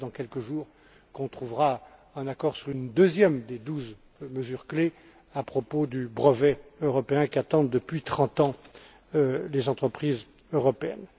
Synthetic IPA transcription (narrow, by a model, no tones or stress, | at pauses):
d̪ɑ̃kʲɛlkəʒuːʁ | kɔ̃t̪χuvʁa | ɛ̃nakɔʁsyʁynd̪øzjɛmd̪ed̪uz | məzyʁkle | apχɔpod̪ybʁəvɛøʁɔpeɛ̃kʲiat̪ɑ̃d̪ːəpɥit̪χɑ̃t̪ɑ̃ | lezɑ̃t̪χəpχiz | øʁɔpeɛ̰n